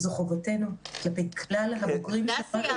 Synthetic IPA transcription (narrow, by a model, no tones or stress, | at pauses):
zoχovote̞nuklape̞jklalɦaboɡʁimʃefat